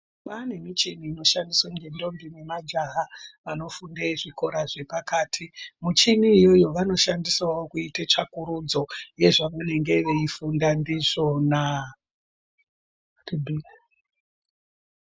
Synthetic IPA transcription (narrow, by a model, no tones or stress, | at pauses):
mane̞mit͡ʃiniːno̞ʃandiswaŋɡendo̞mbimwemad͡ʒaɦaʋano̞fundeʐiko̞ɾaʐe̞pakaːtʰimut͡ʃiniːjo̞jo̞ʋano̞ʃandiswawokuitet͡ʃakuɾud͡zo̞je̞ʐamene̞ŋɡe̞ʋe̞ifundandiʐo̞na | ribʱi